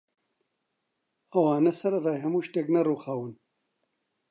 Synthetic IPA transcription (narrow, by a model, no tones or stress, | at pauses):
ɐwaːnɐsɐɾɐraːjɦɐmuːʃt̪eːknɐruːxaːwɨn